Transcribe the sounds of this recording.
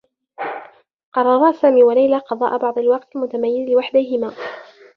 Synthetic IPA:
qɑrˤɑɾˤɑːsaːmiːwalajlaːqɑd̪ˤɑ̰ːʔabɑʕd̪ˤɑlwɑqt̪lmʊt̪amajːɪzlɪwaħd̪ahɪmaː

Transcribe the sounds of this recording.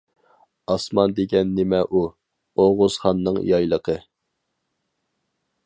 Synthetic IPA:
ɑsmɑnd̪eɡʲɛnːemɛʔu | oʁʊz̥χɑnːɨŋjɑjlˠəqʰə

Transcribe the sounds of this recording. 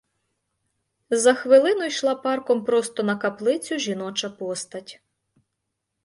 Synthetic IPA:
zɐxʋɪlˠɪnʊjʃlˠɑpɑrkɔmpɾɔst̪ɔnɐkɐplˠɪt͡sʲʊʒʲinɔt͡ʃɐpɔst̪ɐtʲ

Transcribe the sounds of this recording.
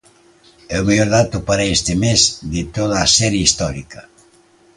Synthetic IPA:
eomejoɾðat̪ʊpaɾaest̪ɪmezd̪ɪt̪oð̞aːsɛɾjeist̪ɔɾikɐ

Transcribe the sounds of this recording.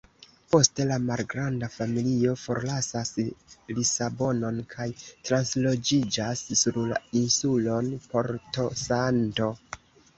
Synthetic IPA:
po̞ste̞lamalɡɾandafamilio̞fo̞̰ɾlasaslisabo̞no̞nkʰajtɾanslo̞d͡ʒid͡ʒasːuɾla̰insulo̞npo̞ɾto̞santo̞

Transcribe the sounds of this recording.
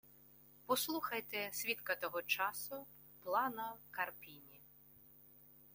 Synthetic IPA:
pɔslˠuxɐjt̪ɛsʲʋʲit̪kɐt̪ɔɦɔt͡ʃɑsʊ | plˠɑnɐkɐrpʲinʲi

